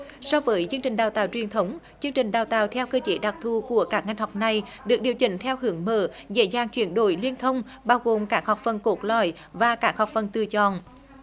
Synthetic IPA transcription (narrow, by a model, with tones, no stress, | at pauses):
sɔ˧vəː˨˦jzɨ˧əŋt͡ɕï˨˩ŋ̟ɗaː˨˩wt̪aː˨˩wt͡ɕwi˨˩ənt̪ʰə˨˦wŋ͡m | t͡ɕɨ˧əŋt͡ɕï˨˩ŋ̟ɗaː˨˩wt̪aː˨˩wt̪ʰɛ˧wkəː˧t͡ɕe˨˦ɗa˨˩k̚t̪ʰu˧˩ku˧˩əkaː˦˥k̚ŋa˧jŋ̟ha˨˩wk͡p̚na˨˩jɗɨ˨˩ək̚ɗi˨˩əwt͡ɕï˧˩ŋ̟t̪ʰɛ˧whɨ˨˧˦əŋmə̰ː˧˩zḛ˧˥jzaː˧˩ŋt͡ɕwi˧˩ənɗo̰˧˩jli˧ənt̪ʰə˧wŋ͡m | ɓaː˧wɣo˨˩mkaː˦˥k̚ha˨˩k͡p̚fə˨˩nko˨˦˥t̚lɔ̰˧˩˨j | vaː˨˩kaː˦˥k̚hɔ˨˩wk͡p̚fə˨˩nt̪ɨ˨t͡ɕɔ˧˨n